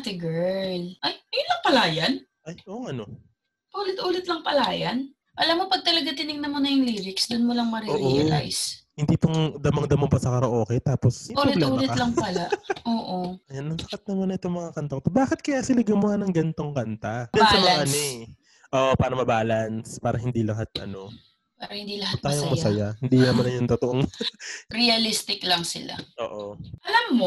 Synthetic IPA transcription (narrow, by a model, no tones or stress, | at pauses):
t̪ɛɡɛɹlʔɐjʔɐjʊnlɐŋpɐlaːjɐn | ʔɐjʔoʔɐno | ʔuːlɪt̪ʔuːlɪt̪lɐŋpɐlaːjɐn | ʔɐlamːopɐɡ̚t̪ɐlɐɡat̪ɪnɪŋnɐmonɐjʊŋliːɾɪksd̪ʊnmolɐŋmɐɾiʔoːɾʔola̰jshɪnd̪iːpʊŋd̪ɐmɐŋd̪ɐmopɐsɐkɐɾɐʔoːkɛjt̪aːposiʔoːlɛt̪ʔuːlɛlɐŋpɐlaʔoːʔoɐjanːɐŋsɐkɐt̪̚nɐmanɐʔɛt̪oŋmɐŋakɐnt̪ɐkot̪obaːkɪt̪̚kɐjaːsɪlɐɡʊmʊhanɐŋɡɐnt̪oŋkɐnt̪abɐnsɐmɐaʔɐno | ʔoːʔopaːɾɐmɐbaːlɐnspaːɾɐhɪnd̪ilɐɦat̪̚ʔɐ̰no̞ | paːɾɐhɪnd̪ilɐhat̪aːjoŋmɐsɐjahɪnd̪inɐmanɐjʊŋt̪ʊt̪oʔoŋ | ɾɛɐlist̪ɪklɐŋsɪla̰ʔo̞ːʔoʔɐlamːo